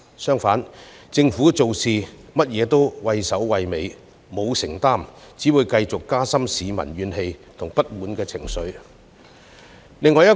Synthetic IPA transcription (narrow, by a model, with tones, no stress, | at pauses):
sœː˥ŋfaː˨˥nt͡sɪ˧ŋfuː˨˥t͡so˨wsiː˨mɐ˥t̚jɛː˨˧t̪o˥wwɐ˧jsɐ˨˥wwɐ˨jme˨˧j | mo˨˧wsɪ˨˩ŋt̪aː˥˩mt͡siː˨˥wuː˨˧jkɐ˧jt͡sʊ˨kːaː˥sɐ˥msiː˨˧mɐ̰˨˩nɥyː˨˧nhe˧jt̪ʰʊ˨ŋpɐ˥t̚wuː˨nkɛː˧t͡sʰɪ˨˩ŋsɵ˨˧ɥ | lɪ˨ŋːɔː˨˧jɐ˥